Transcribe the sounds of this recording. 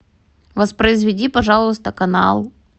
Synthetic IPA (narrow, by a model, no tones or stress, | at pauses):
vɐspɾəɪzvʲɪdʲipɐʐɑlˠəst̪əkɐnɑ̰lˠ